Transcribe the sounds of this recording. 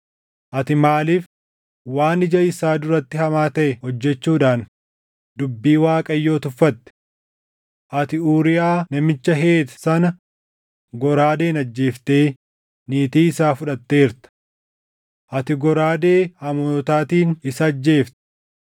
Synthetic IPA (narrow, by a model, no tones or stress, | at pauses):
ʔɐt̪ɪmaːlif | waːnɪd͡ʒɐɪsaːd̪ʊɾɐt̪ːɪhɐmaːt̪ɐʔɛhɔd͡ʒːɛt͡ʃːuːᶑaːn | d̪ʊbːiːwaːkʼɐjːo̞ːt̪ʊfːɐt̪ːɛ̥ | ʔɐt̪ɪuːɾɪjaːnɐmɪt͡ʃːɐɦe̞ːt̪ɐ̥sɐnɐ | ɡɔɾaːd̪e̞ːnɐd͡ʒːe̞ːft̪e̞ː | niːt̪iːɪsaːfʊᶑɐt̪ːe̞ːɪɾt̪ɐ̥ | ʔɐt̪ɪɡɔɾaːd̪e̞ːɐmoːt̪aːt̪iːnɪsɐːd͡ʒːe̞ːft̪ɛ̥